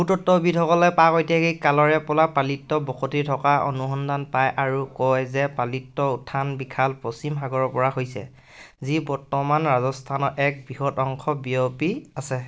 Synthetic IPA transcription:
utɔtːɔbitʰɔkɔlɛpakɔjtijakekalɔɹɛpɔlapalitːɔbɔkʰotitʰɔkaʔo̰nuxɔndanpajʔaɹukɔjzɛpalitːɔutʰːanbikʰalpɹɔsimxaɡɔɹɔpɔɹaɦojsɛ̰ | zibɔɹtɔmanɹazɔstʰanɔʔɛk̚bɹiɦɔtɔŋkʰɔbiopiasɛ

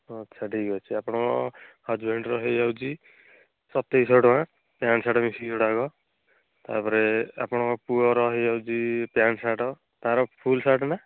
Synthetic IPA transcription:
ʌtːsʰaʈʰikɡɔt͡ʃʰiapɔɽ̃ɔɔhad͡ʒbʱeɳɖɾɔɦijawd͡ʒi | sɔt̪esɔʈɔwã | pjansaʈɔmisiɔɽaɡɔ | t̪a̰pɔɾea̰pɔɽ̃ɔpuɔɾɔɦijawd͡ʒipjansaʈɔ | t̪ãɾɔpʰulsaʈna

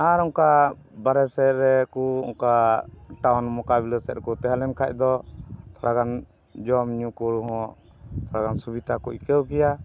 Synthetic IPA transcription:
aɾɔ̃ŋka | baɾɛsɛɾɛkɔɔ̰ŋkaʈawnmɔkabilɛsɛt̪̚kɔt̪ɛɦalɛnkʰac̚d̪ɔt̪ʰɔɽaɡan | d͡ʒɔmɲũkɔɽuɦɔ̃ | t̪ʰɔɽakansubit̪akuʔ̚kɛwkɛja

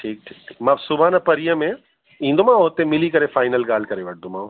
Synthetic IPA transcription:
ʈʰiːk̚ʈʰiːkʈʰi̥ːkmãːsʊbaːnɐpɐɾijə̃mẽ | ĩːnd̪omãːɦoːt̪emɪlikɐɾefaːɪnəlɡaːl̤kɐɾeʋɐʈ̚ʰd̪õmãː

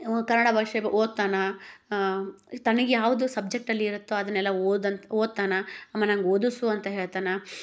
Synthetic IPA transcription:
kɐɾnːɐɽabʱɐʂebʔoːd̪̚t̪aːnɐ | t̪ɐnɐɡejaːʋud̪usɐb̚d͡ʒe̞k̚ʈɐlːiːɾut̪ːuɐd̪ɐnːɛlːɐod̪ɐnt̪oːd̪̚t̪aːnɐɐmːɐnɐŋɡoːd̪usuɐnt̪ɐɦeːɭt̪aːnɐ

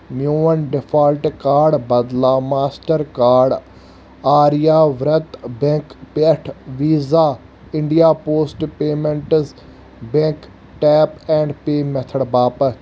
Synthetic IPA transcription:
mjoːənɖɪpʰaːlʈkaːɾɖbɐd̪laːmaːsʈəɾkaːɾɖ | aːɾijaːʋɾət̪bɛ̃ŋkpeʈʰʋiːzaː | ɪ̃ɳɖijaːpoːsʈpeːmẽɳʈz | bẽŋk | ʈɛːpɛ̃ːɳɖpeːmɛt̪ʰəɽbaːpə

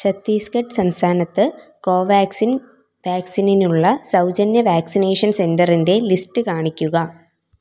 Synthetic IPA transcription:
t͡ɕɐt̪ːiːskɐʈːɨ̥sɐmst̪ʰaːnɐt̪ːɨko̞ːʋaːksin | ʋaːksininuɭːɐsɐwd͡ʑɐnjɐʋaːksine̞ːʂɐnse̞ndɐrinde̞listɨkaːɳikʲːuɣɐ

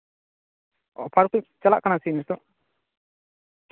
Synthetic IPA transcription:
ɔpʰaɾkut͡ʃala̰ʔkanasimist̪ɔ

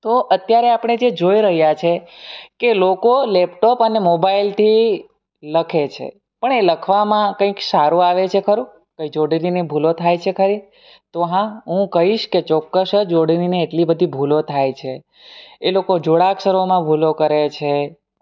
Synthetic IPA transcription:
t̪oʔət̪jaɾeapɽ̃ed͡ʒed͡ʒoiɾəɦjat͡ʃʰekelokolɛpʈɔpənemobailt̪ʰi | ləkʰet͡ʃʰḛ | pəɳeləkʰʋamãkə̃ĩksaɾũaʋet͡ʃʰekʰəɾũ | kə̃ĩd͡ʒoɽininebʱulot̪ʰajt͡ʃʰekʰəɾi | t̪oɦãɦũkəɦiʃket͡ʃɔkːəsd͡ʒoɽinineːʈlibəd̪ʱibʱulot̪ʰajt͡ʃʰe | elokod͡ʒoɽakʃəɾomãbʱulokəɾet͡ʃʰe

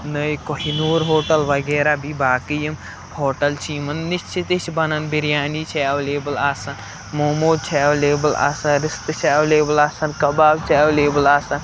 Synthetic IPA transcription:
nəjkoɦinuːɾɦoːʈəlʋɐɡɛːɾabʱibaːkijɐm | hoːʈəlt͡ʃʰimɐnːist͡ʃʰit̪it͡ʃʰbɐnɐnbiɾjaːnit͡ʃʰɛːwleːbɐlaːsɐn | momoːt͡ʃʰɛːwleːbɐla̰ːsɐnɾist̪t͡ʃʰɛːwleːbɐlaːsɐnkɐbaːbt͡ʃʰɛːwleːbɐlaːsɐn

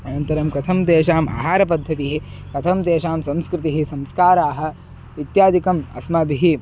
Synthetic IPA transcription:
ɐnɐnt̪ɐɾɐmkɐt̪ʰɐmt̪eːʃaːma̰ːɦaːɾɐp̬ɐd̪ʱːɐt̪iɦi | kɐt̪ʰɐmt̪eːʃaːmsɐ̃mskɾɪt̪iɦisɐmskaːɾaːɦɐ̆ | ʋit̪jaːd̪ʱikɐmɐ̰smɐbʱiɦi

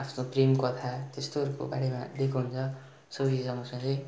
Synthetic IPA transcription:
apʰnoprimkʌt̪ʰat̪est̪oɦʌɾuko̰ba̰ɽema̰d̪ekʰoɦunt͡sʰʌ | sʌbisʌmʌsʌ̃ŋɡʌj

